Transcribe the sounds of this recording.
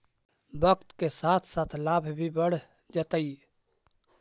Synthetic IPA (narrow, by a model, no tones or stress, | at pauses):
bəkt̪kesaːt̪ʰsaːt̪ʰlaːbʱbʱibəɽ̤ | d͡ʒət̪əi